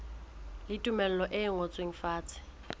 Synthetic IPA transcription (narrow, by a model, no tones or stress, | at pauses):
lɪtʼumɛl̩lɔʔɪŋot͡sʼweŋ̩faːt͡sʰʼɪ̥